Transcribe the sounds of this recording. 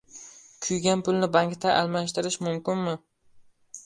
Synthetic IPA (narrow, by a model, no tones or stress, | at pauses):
kʲʰʊjɡʲanpʊlˠnɪbaŋkt̪aʔalˠmaʃt̪ɪɾɪʃmʊmkʲɪnmɪ